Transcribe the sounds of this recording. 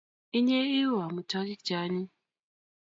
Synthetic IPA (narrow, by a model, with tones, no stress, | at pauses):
i˦ɲe˦i˦wa˨mu˨tɔ˦ki˦k̚d͡ʒa˨˦ni˦